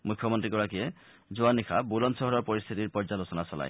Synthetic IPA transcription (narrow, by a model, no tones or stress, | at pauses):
mukʰːjɔmoɔnt̪ɾikɔɽakie | d͡ʒoanːikʰabulɔnsɔɦɔɾɔɾpɔɾist̪ʰit̪iɾpɔɾd͡ʒalosɔnasɔla̰j